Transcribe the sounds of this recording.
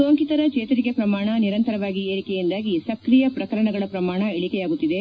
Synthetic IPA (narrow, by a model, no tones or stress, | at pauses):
oːŋkit̪ɐɾɐt͡ʃeːt̪ɐɾikepɾɐmaːɳɐniɾɐnt̪ɐɾɐʋaːɡieːɾikɛjind̪aːɡisɐkɾijɐpɾɐkɐɾɐɳɐɡɐɭɐpɾɐmaːɳɐeɭikɛjaːɡut̪ːid̪e̞